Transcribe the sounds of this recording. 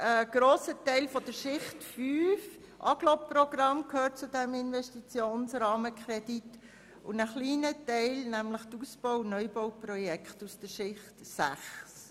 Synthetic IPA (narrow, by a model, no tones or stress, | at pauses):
ʔəɡ̥ɾoːsətɛɪlfɔdəɾʃɪχtfyːf | ʔɑɡ̥lɔprɔɡɾɑmkʰhøːt̚t͡sudɛmɪnvɛʃtit͡sjoːnsɾɑːməkχɾɛdit | ʊnəχliːnətɛɪlnæmləχtəusb̥ɔʊnœʏbɔʊprɔjɛkχtusd̥əɾʃɪχtsæ̰χs